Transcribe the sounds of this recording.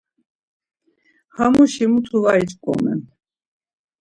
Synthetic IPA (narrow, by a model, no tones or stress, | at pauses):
hamuʃimut̪ʰuvait͡ʃʼkʼɔ̰mɛ̰n